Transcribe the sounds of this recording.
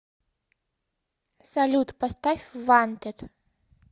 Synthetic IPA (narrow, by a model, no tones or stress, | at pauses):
salʲut̪pɐst̪afʲvant̪ʲɛt̪